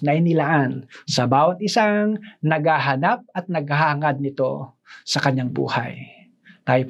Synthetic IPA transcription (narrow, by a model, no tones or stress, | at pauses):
nɐʔɪnɪlaːʔansɐbaːwɐt̪̚ʔɪsaŋnɐɡ̚haɦɐnap̚ɐt̪̚nɐɡ̚haɦahɐŋad̪̚nɪt̪o̞̰ | sɐkɐɲaŋbṵːha̰j | t̪aːjop